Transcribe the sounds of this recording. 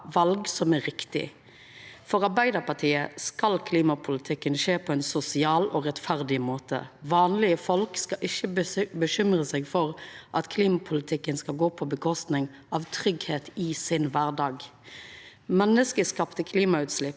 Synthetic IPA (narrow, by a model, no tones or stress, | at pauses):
ʋɑlɡsɔmæɾɪkt̪ɪ̰ | fɔɾʁɑbæɪd̪əʁpɑʈʰiːəskɑlkʰliːmɑpʰʊlɪt̪ʰɪkːənʃeːpʰɔɛnsʊsɪɑːlɔʁɛt̪fæʁd̪ɪmoːt̪ʰə̰ʋɑːnlɪəfɔlkskɑʔɪçːəbəʃʏmʁəsɛɡfɔʁʔɑt̪kʰliːmɑpʰʊlɪt̪ʰɪkːənskɑlɡoːpʰɔbəkʰɔst̪nɪŋ | ɑʋt̪ʰʁʏɡheːt̪ɪsɪnʋæʁɖɑːɡ | mɛnːəskəskɑpt̪əkʰliːmɑʉːt̪slɪpː